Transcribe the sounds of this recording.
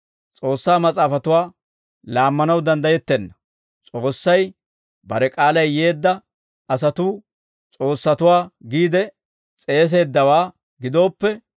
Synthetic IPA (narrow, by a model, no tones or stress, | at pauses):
t͡sʼo̞ːsːaːmɐt͡sʼaːfɐt̪ʊwaː | laːmːɐnɐwd̪ɐnd̪ɐjɛt̪ːɛnːɐ | t͡sʼo̞ːsːɐj | bɐɾɛkʼaːlɐjːe̞ːd̪ːɐ | ʔɐs̬ɐt̪uː | t͡sʼo̞ːsːɐt̪ʊwaːɡiːd̪ɛ | t͡sʼe̞ːs̬e̞ːd̪ːɐwaː | ɡɪd̪o̞ːpːɛ